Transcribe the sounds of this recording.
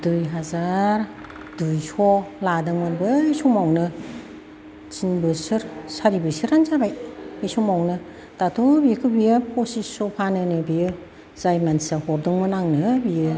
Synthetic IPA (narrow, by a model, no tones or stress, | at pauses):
dujɦazaɾ | d̥ujsʰɔladɯŋmɯnbɯisumawnɯ | t͡ʃinbɯsɯɾsaɾibɯsɯɾanzabajisumawnɯ | tatʰobikʰɯbijɯpʰɔsisɔpʰanɯnɯbijɯ | z̥ajmansahɔɾdɯŋmɯnaŋnɯbiɯ